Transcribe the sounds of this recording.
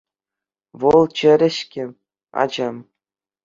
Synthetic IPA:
ʋɤlˠt͡ɕɘ̆ɾʲɘ̆ɕkʲɘ̆ | ɑ̰d͡ʑɤm

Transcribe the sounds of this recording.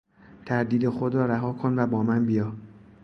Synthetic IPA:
t̪ʰæɾd̪iːd̪e̞xod̪ɾɒːɾæɦɒːkʰo̞nvæbɒːmænbijɒː

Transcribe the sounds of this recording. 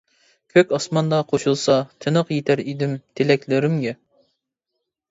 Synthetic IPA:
kʲʰøkʲɑsmɑnd̪ɑqʰoʃulˠsɑt̪ʰɨnəqjet̪ʰæɾid̪ɪmt̪ʰelɛkʲlɪɾɪmɡʲɛ

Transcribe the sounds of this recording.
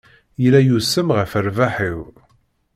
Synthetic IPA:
jəlæjusəmʁəfəɾvaħiw

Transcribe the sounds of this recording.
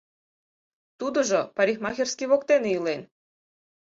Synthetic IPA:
t̪ud̪oʒopaɾʲixmɑxʲersʲkʲiβɔkt̪enilen

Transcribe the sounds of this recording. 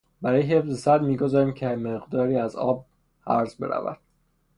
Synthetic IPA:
bæɾɒːjeɦefzesæd̪miːɡozɒːɾiːmcʰemeɣd̪ɒːɾiːæzɒ̰ːb̚ | hæ̰ɾzbe̞ɾæ̰væ̰d̪̥

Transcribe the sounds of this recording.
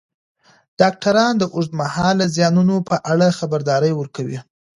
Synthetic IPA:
ɖ̥ɑk̚ʈaɾɑnd̪əʔʊʐd̪mahɑlːəzjɑnunopəʔaɽaxabaɾd̪ɑɾəjwəɾkawḭ

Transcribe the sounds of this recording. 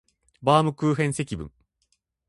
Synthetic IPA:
baːmɯ̟kɯ̟ːɦẽɰ̃se̞kʲibɯ̟̰̃ŋ

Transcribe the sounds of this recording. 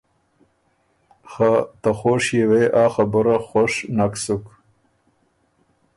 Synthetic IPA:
xat̪axoʂjeweʔaːxabəɾaxoʂnaksuk

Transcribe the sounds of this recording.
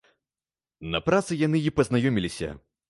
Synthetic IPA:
nɐpɾat̪sɨjanɨipɐznajɔmʲilʲisʲɐ̰

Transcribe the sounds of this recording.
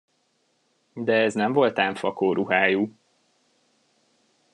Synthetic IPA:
d̪ɛɛznɛɱvo̞lt̪aːɱfɒkoːɾʔuɦaːjuː

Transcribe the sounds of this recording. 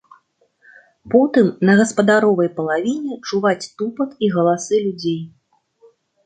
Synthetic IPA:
pɔt̪ɨmnɐɣɐspɐd̪aɾɔvɐjpɐlˠavʲinʲɛt͡ʂuvat͡sʲt̪upɐt̪iɣɐlˠasɨlʲud͡zʲej

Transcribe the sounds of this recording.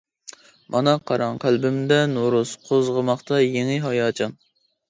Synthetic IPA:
mʔɑnɑqʰɑɾɑŋqʰælbɪmd̪ɛnoɾusqʰozʁəmɑχt̪ʰɑjeŋɪɦɑjɑːt͡ʃʰɑn

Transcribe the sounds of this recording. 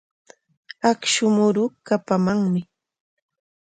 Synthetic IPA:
akʃʊmʊɾʊkapamaŋmɪ

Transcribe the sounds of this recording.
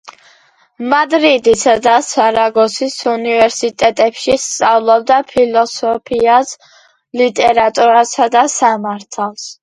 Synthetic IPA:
mad̪ɾid̪isad̪asaɾaɡɔsisunivɛɾsit̪ʼɛt̪ʼɛpʃist̪sʼavlˠɔb̚d̪apʰilˠɔsɔpʰias | lit̪ʼɛɾat̪ʼuɾasad̪asamaɾt̪ʰalˠs

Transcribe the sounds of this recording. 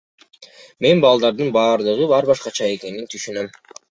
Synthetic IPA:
me̞nbɑlˠd̪ɑɾd̪ɯnbɑːɾd̪ɯʁɯbɑɾbɑʃqɑt͡ʃʰɑe̞ke̞nint̪ʰyʃynø̞m

